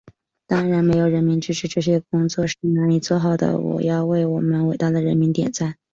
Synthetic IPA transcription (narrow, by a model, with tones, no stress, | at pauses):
t̪ɑ˥ŋɻa˧˥nme˧˥ɪjo˨˩ʊɻə˧˥nmi˧˥ŋʈ͡ʂɻ̩˥ʈ͡ʂʰɻ̩˧˥ʈ͡ʂɤ˥˩ɕ̬jɛ˥˧kʊ˥ŋt͡swɔ˥˧ʂɻ̩˥˩na˧˥nli˨˩t͡swɔ˥˩xɑ˨˩ʊd̪ə̰˦wɔ̰˨˩jɑ˥˧ʊwe˥˩ɪwɔ˨˩mə˦nwe˨˩ɪt̪a˥˩d̪ə˩ɻə˧˥nmi˧˥ŋt̪jɛ̰˨˩nt͡sa˥˩ɪ